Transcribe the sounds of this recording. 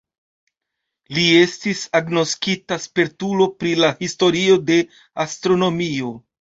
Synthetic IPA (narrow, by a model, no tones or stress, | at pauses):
lie̞stisaɡno̞skitaspeɾtulo̞pɾilahisto̞ɾio̞de̞ | astɾo̞no̞mio̞